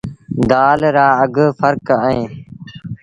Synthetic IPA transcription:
d̪aːlɾaːəɡfʰəɾkəẽː

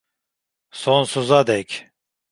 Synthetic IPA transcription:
sonsuzad̪ɛcʲ

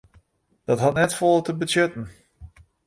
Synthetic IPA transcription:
d̥ɔtɦatnɛtfɔlˠətəbəsjøtən̩

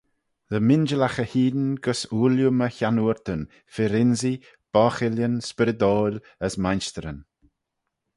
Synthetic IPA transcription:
ðəmɪnd͡ʒəlaxəhiːd̪nɡəsuːljuməçanuɾt̪ən | fɪɾɪnzi | b̥ɔːxɪljənspɪɾəd̪oːlʲ | əsmajnst̪əɾən

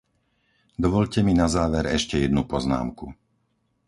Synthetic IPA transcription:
d̪ɔʋɔʎcɛminazaːʋɛɾɛʃcɛjɛd̪nupɔzna̰ːmku

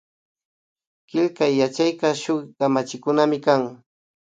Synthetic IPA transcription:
kɪlkajːat͡ʃajkaʃʊχkamat͡ʃɪkʊnamɪkaŋ

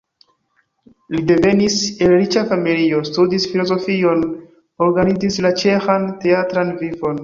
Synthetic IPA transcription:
lide̞ve̞nise̞lɾit͡ʃafamilio̞studisfilo̞zo̞fio̞n | o̞ɾɡanid͡zislat͡ʃe̞xante̞atɾanvivo̞n

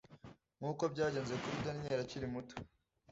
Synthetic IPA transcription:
ŋ̥uːko̞bɟaːɟe̞ːnzekuɾidanɲeːɾaciɾimuto̥

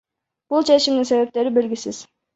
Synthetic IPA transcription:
b̥ulˠt͡ʃʰe̞t͡ʃʰimd̪iŋse̞ve̞p̚t̪e̞ɾibe̞lɡʲisiz̥

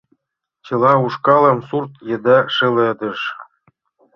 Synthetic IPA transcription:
t͡ɕɤ̆lˠɑuʂkɑlɤ̆msurt̪jɤ̆d̪ɑʂɘ̆lĕd̪ɤ̆ʃ

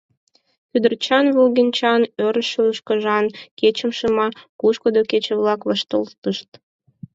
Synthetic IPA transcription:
kyd̪ərt͡ɕɑnβulɣinʲt͡ɕɑnøɾəʃyləʃkəʒɑnket͡ɕəmʃəmɑkuʃkəd̪oket͡ɕəβlɑkβɑʃt̪əlt̪əʃt̪

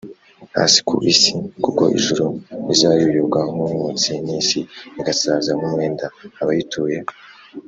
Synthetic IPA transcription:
ha̰ːsi̥kṵʔisikuko̞̰ʔḭʒuɾoizajujuβɡaŋumut͡siniːnsiiɡasaːzaŋumwe̞ːndaːβajitʰuːje

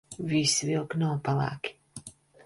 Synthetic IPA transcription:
vʲisvʲilˠknawpalˠa̰ːkʲi̥

